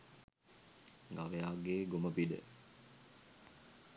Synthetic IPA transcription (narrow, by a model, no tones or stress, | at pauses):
ɡaʋejaːɡeːɡomɐbiɖḛ